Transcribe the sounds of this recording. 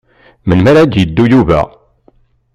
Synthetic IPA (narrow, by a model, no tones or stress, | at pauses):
mənmæɾæd̪jəd̪ːujuvæ̰